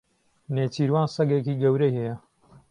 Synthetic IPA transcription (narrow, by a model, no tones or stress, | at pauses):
neːt͡ʃʰiːɾwaːnsɐɡeːkiːɡɐwɾɐjhɛjɐ